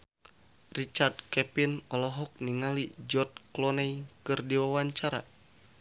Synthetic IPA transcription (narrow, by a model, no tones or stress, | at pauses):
rit͡ʃard̪̚kɛpinɔlɔɦɔk̚niŋalid͡ʒɔt̪̚klɔnɛikɨrdiwawaɲt͡ʃaɾa̰